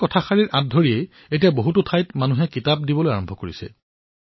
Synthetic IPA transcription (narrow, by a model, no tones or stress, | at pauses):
kɔtʰaxaɹiɹʔãt̚dʱoɹiej | et̬ijaboɦutʊtʰajtmanuɦɛkitap̚dibɔlojaɹɔmbʱɔkoɹisɛ̰